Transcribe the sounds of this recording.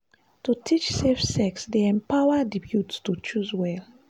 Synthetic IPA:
tutʰit͡ʃsefsɛksdeɛ̃mpaʊədibjutstut͡ʃuzwɛl

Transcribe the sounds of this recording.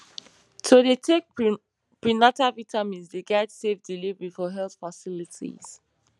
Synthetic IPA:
tʰodetʰek̚ | pɹinatavitamĩnzdeɡɛdsevdilivɹifɔɦɛlθfasilitʰḭz̥

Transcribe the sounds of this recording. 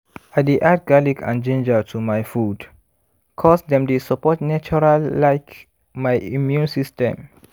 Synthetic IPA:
adeʔad̚ɡalikã̰nd͡ʒẽnd͡ʒətʰumajfud | kʰɔsdɛ̃mdesɔpɔtnat͡ʃɔɹalːaɪk | majimjũnsistɛ̰̃m

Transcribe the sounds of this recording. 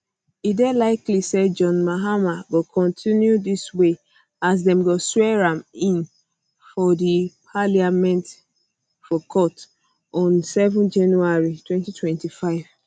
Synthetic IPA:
idelaɪklisɛd͡ʒɔ̃nmaɦamaɡokʰɔ̃ntʰĩnjudiswe | as̬dɛ̃mɡɔswɛɹãmĩn | fɔdipʰaliamɛ̃nt | fɔkʰɔt | ɔ̃nsɛvɔ̃nd͡ʒãnuaɹitwɛ̃ntitʰwɛ̃ntifaɪv̥

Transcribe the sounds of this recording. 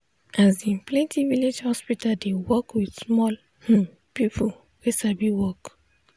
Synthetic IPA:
ʔazĩplɛ̃ntʰiviled͡ʒhɔspitadewɔkwidsmɔl | h̩ | pipʰu | ɹesabiwɔk

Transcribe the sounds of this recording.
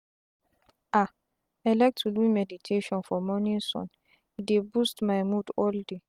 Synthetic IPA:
ʔa | ɛlɛk̚tʰulwimɛditʰeʃɔ̃nfɔmɔnĩsɔ̰̃n | idebustmajmudɔlde

